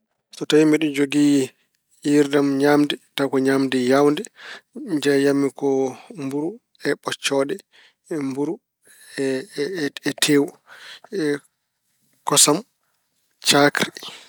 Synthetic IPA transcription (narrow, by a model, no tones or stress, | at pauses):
sɔtawimiɗɔd͡ʒoɡiː | jiɾdamɲamdɛtakɔɲamdɛjawndɛɲd͡ʒɛjamːikɔmbuɾu | ɛɓɔt͡ʃːɔɗɛ | mbuɾu | ɛ | ɛtʰewuɛ | kɔsam | t͡ʃakɾi